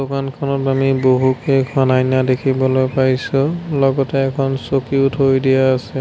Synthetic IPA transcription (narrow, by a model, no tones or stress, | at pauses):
dokankʰɔnɔtamiboɦukejkʰanajnadekʰibɔlojpaɹjsulɔɡɔtɛːkʰɔnsokiutʰɦojdijaːsɛ